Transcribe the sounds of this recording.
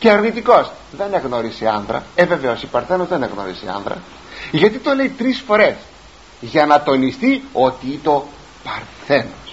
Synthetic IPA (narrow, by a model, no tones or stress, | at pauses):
ceɐɾnit̪iko̞s | ðe̞neɣno̞ɾiseɐnðɾɐ̰eve̞veo̞sipɐɾθe̞no̞zðeneɣno̞̰ɾisḛɐ̰nðɾɐ̰ | ʝɐt̪it̪o̞le̞it̪ɾisfo̞ɾe̞s | ʝɐnɐt̪o̞nist̪io̞t̪iit̪o̞ | pɐɾθe̞nos